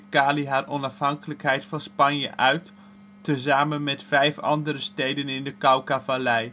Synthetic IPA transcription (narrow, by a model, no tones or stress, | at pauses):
kaːliɦaːrɔnɑfɦɑŋkələkɦɛjtfɑnspɑnjə̰ʔœɥtː | əzaːmənmɛtfɛjfɑ̰ndəɾəstejdənɪndəkawkavalɛj